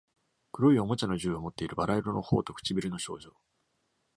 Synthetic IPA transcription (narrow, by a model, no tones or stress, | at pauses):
kɯ̟ɾo̞io̞mo̞t͡ɕano̞ʑɨːomo̞t̪ːe̞iɾɯ̟baɾaiɾono̞ho̞̰ːt̪o̞kɯ̟̥t͡ɕibʲiɾɯno̞ɕo̞̰ːʑo̞ː